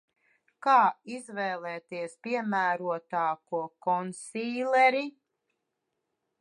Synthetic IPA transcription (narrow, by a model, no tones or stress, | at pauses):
kaːizvɛːlˠɛːt̪iɛspʲiɛmæːɾuɔt̪aːkuɔkɔnsiːlɛɾi